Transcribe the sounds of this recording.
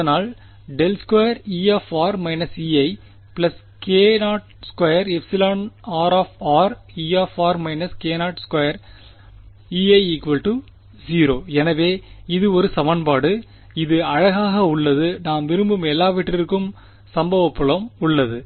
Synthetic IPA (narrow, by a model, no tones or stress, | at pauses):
ɐɐnaːl | ɖɛlskwɐjɐɾiːaːfaːɾmɐɪnɐsiːɐɪ | plɐs | keːnaːʈ̚skwɐjɐɾɛfsɪlaːnaːɾaːfaːɾ | iːaːfaːɾmɐɪnɐskeːnaːʈskwɐjɐɾ | iːɐɪɪkʋɐlʈɯ | siːɾoːɛnɐʋeːɪðɯɔɾɯsɐmɐnpaːɽɯ | ɪðɯɐɻɐɣaːɣɐʊɭːɐðɯnaːmʋɪɾɯmbɯmɛlːaːʋɪʈrɪɾɯkːɯm | sɐmbɐʋɐpːɯɭɐmʊɭːɐðɯ